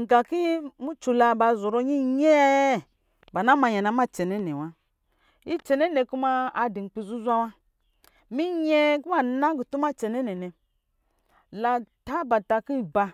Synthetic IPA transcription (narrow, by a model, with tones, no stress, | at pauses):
ŋ̩˨ɡa˨ki˦i˦mu˦t͡ʃu˨la˧ba˨zo˨ɾo˦ɲi˦ɲɛ˦ | ba˨na˦ma˧ɲa˨na˨˦ma˦t͡ʃɛ˨nɛ˦nɛ˨wa˦ | i˦t͡ʃɛ˨nɛ˦nɛ˨ku˦ma˧a˧di˨ŋ͡m̩˨k͡pi˧zu˦zʷa˦wa˦ | mi˦ɲɛ˦ku˦a˦na˦ɡu˨tu˦ma˦t͡ʃɛ˨nɛ˦nɛ˨nɛ˨ | la˧ta˦ba˨ta˧ki˦˨ba˧